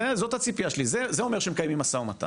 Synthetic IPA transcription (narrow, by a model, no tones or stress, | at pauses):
ezo̞t̪hat͡sipiaʃelizezeo̞me̞ʁʃeemekajemimasaumat̪a̰